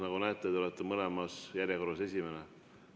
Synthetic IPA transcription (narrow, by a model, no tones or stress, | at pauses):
nɑɡunæeːt̪ːˑet̪let̪ˑːemɤlemɑsjæɾʲjeko̞ɾɑse̞s̬ʲimene